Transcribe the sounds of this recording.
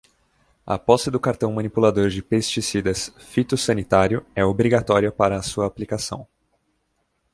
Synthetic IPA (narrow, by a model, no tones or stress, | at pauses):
ɐ̰pɔsɪd̪ʊkaɾt̪ɐ̃w̃mɐ̃nipulad̪oɾd͡ʒɪpest͡ʃisid̪ɐs | fit̪ʊsɐnit̪aɾjʊɛobɾiɡat̪ɔɾiɐpaɾɐːsuɐːplikasɐ̰̃w̃